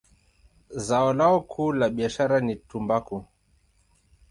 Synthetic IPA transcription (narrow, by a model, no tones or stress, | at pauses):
zaɔlaɔkʰuːlaɓiaʃaɾanitumbaku